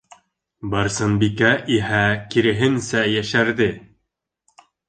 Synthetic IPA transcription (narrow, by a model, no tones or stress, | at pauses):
bɑɾsɤnbikæʔiɦækiɾɘ̆ɦɘnsæjæʃæɾðɘ